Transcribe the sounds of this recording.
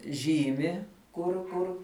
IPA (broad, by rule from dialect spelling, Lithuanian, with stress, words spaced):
ˈʒʲiːmʲɪ kʊr ˈkʊr